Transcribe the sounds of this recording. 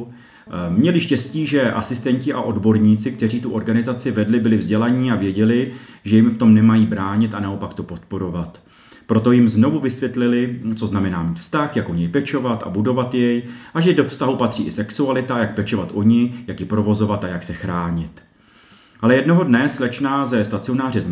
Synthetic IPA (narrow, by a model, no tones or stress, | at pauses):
mɲɛlɪʃcɛsciːʒɛʔasɪst̪ɛɲcɪʔaʔo̞dbo̞ɾɲiːt͡sɪk̚t̪ɛr̝iːt̪uʔo̞ɾɡanɪzat͡sɪvɛdlɪbɪlɪvzɟɛlaɲiːavjɛɟɛlɪʒɛjɪmft̪o̞mnɛmajiːbɾaːɲɪt̪anao̞pakt̪o̞po̞t̪po̞ɾo̞vat̪ | pɾo̞t̪o̞jɪmzno̞vuvɪsvjɛt̪lɪlɪt͡so̞znamɛnaːmiːt̪fst̪axjakʔoɲɛjpɛt͡ʃo̞vat̪ʔa̰budo̞vat̪jɛjʔaʒɛdo̞fst̪aɦupat̪r̥ḭːʔɪsɛksualɪt̪ajak̚pɛt͡ʃo̞vat̪ʔoɲɪjakjɪpɾo̞vo̞zo̞vat̪ajaksɛxɾaːɲɪt̪ | ʔalɛjɛdno̞ɦo̞dnɛslɛt͡ʃnaːzɛst̪at͡sɪo̞naːrɪz